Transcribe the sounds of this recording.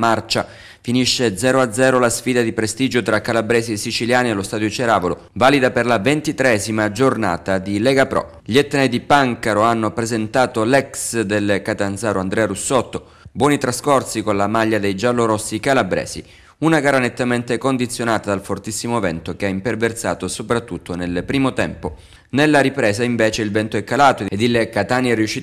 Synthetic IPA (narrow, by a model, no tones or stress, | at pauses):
mart͡ʃa | finiʃːed̪zɛːɾoad̪zɛːɾolasfiːd̪ad̪ipɾest̪iːd͡ʒot̪ɾakːalabɾɛːziesit͡ʃiljaːnielost̪aːd̪jot͡ʃeɾaːvolo | vaːlid̪aperlavent̪it̪ɾeɛzimad͡ʒorna̰ːt̪ad̪ilɛɡapɾɔ̰ | ʎet̪ːenajd̪ipaŋkaɾoanːopɾezent̪aːt̪olɛksd̪elkat̪ansaːɾoand̪ɾɛaɾusɔt̪ːo | bwɔːnit̪ɾaskɔrsikonlamaʎːad̪ejd͡ʒalːoɾosːikalabɾɛ̰ːzḭ | unaɡaːɾanet̪ːament̪ekond̪it̪sːjonaːt̪ad̪alfort̪isːimovɛ̰nt̪ok̟eaimpervert̪sa̰ːt̪osopɾat̪ːut̪ʰːonelpɾiːmot̪ɛmpo | nelːaɾipɾɛːzaiɱvɛːt͡ʃeilvɛnt̪oɛkːalaːt̪oed̪ilkat̪aːniɛrːijuʃːiː